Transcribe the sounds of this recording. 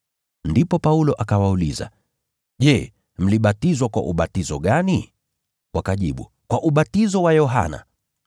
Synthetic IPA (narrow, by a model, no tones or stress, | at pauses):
ndipɔpaulɔʔakawauliza̰ | ʄɛ | m̩liɓatizwakwa̰ʔṵɓatizɔɠani | wʔakaʄiɓṵ | kwaʔuɓatizɔwajɔɦa̰na̰